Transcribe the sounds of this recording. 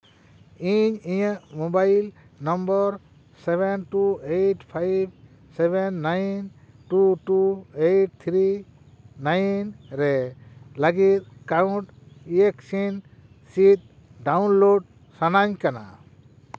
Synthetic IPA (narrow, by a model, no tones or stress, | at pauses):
iɲiɲəʔmobajl | nɔmbɔɾ | sebenʈuejʈpʰajb̚ | sebenːajn | ʈuʈuejʈ̚t̪ʰɾi | najnɾɛlaɡit̪̚kauɳʈ | ieksin | sit̪̚ | ɖawnloɖ̚ | sanaɲkana̰